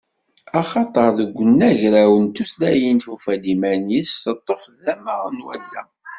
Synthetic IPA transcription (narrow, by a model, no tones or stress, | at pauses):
ɑχɑt̪ˤəɾˤðəɡʷːənːæʝɾæwənt̪uθlæjint̪ufæd̪imænisθət̪ˤːofððæməʁnwæ̰d̪ːæ